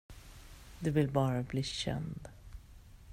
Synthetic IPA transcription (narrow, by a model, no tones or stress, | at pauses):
d̪ɵvɪlbɑːɾabliːɕɛ̰nd̪